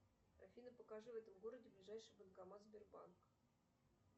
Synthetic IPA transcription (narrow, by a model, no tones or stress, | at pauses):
ra̰fʲinəpəkaʐɨvɛt̪əmɣoɾədʲɪblʲiʐajʂɨjbənkamɑzʲbʲɪrbɑ̰nk